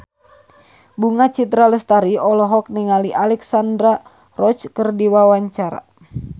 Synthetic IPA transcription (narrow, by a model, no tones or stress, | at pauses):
buŋat͡ʃit̪ɾaləst̪aɾiɔlɔɦɔk̚niŋaliʔalɛksandɾa | rɔt͡ʃkərdiwawaɲt͡ʃaɾa̰